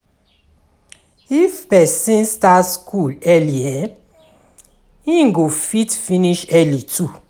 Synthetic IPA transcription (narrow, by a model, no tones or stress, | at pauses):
ifpɛsĩnstaskʰulɛliɛ̃ | ĩŋɡofitfĩniʃɛlitʰu